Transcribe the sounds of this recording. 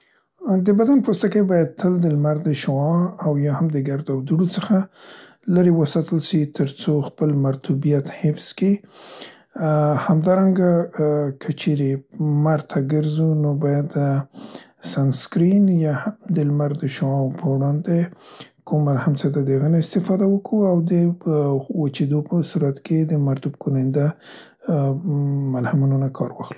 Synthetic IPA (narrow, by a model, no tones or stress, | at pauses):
d̪əbad̪anpɾust̪akaibɑjad̪̚t̪ʰəld̪əlmaɾd̪əʃɑawjɑhamd̪əɡaɾd̪awd̪uɽot͡səxa | laɾewəsɑt̪əlʃit̪ʰəɾt͡soxpəlmaɾt̪ubijat̪hɪfski | hamd̪ɑɾaŋɡakʰət͡ʃeɾemaɾt̪ʰaɡəɾzunobɑjad̪ə | sanskɾinjahad̪əlmaɾd̪əʃoɑwpʰəwɽɑnd̪ekʰumːalhamsəd̪ad̪əɣəneɪst̪ɪfɑd̪awəkʰuawd̪ə | wat͡ʃed̪opəsuɾat̪ked̪əmaɾt̪ubkonɪnd̪a | malhamunonakʰɑɾwɑ̰xlu̥